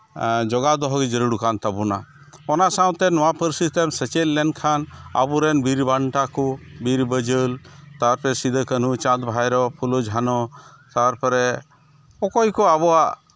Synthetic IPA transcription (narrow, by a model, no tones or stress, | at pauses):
d͡ʒɔɡad̪ɔɦɔɡɛd͡ʒəɾuɽukʰant̪abuna̰ | ɔnasaw̃t̪ɛnɔwapəɾsit̪ɛmsɛt͡ʃelːɛnkʰana̰buɾɛnbiɾbaɳʈakubiɾbəd͡ʒəlt̪aɾpɛsid̪əkənut͡ʃãd̪bʱajɾɔpʰulɔd͡ʒʱanɔ | t̪aɾpɔɾɛ | ɔkɔjkɔabɔaʔ